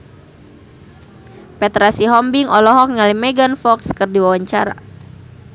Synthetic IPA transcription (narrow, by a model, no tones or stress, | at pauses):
pɛt̪ɾasiɦɔmbiŋɔlɔɦɔk̚ŋalimɛɡanfɔkskɨrdiwawaɲt͡ʃaɾa̰